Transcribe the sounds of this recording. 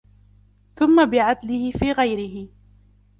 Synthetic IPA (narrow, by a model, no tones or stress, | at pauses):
θʊmːabɪʕad̪lɪhɪfiːɣajɾɪɦɪ